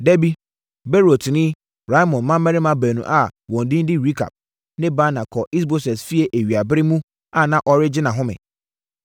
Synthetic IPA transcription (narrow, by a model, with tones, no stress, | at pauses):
dɛ˦bi˦ | be˦ɾo˨tʰnɪ̃˦ | ɾa˦mɔ̃˨nmã˦mæ˦ɾɪ˦mã˦bæ˨nṵ̃˨ʔa˨wɔ̃˨n̩˨dɪ̃˦n˦dɪ˦ɾi˦kʰa̰˨p̚ | nɪ̃˦ba˦nã˨kʰɔ˨ʔi˦s̬bo˦sɛ˨sfi˦e˨ʔe˨ɥi˨a˨bɪ˦ɾɪ˦mũ˦ | a˦nã˦ʔɔ˨ɾɪ˦d͡ʑɪ˦nã˨ɦʊ̃˦mɪ̰̃˨